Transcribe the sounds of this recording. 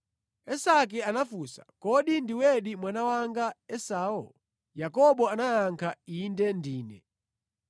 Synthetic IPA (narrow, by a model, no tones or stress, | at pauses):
ɛsak̬ɛanafusḁ̰kɔɗindiwɛɗimwanawaŋɡaɛsaːɔ̰l | jakɔɓɔanajaŋkʰaindɛndiːnɛ̰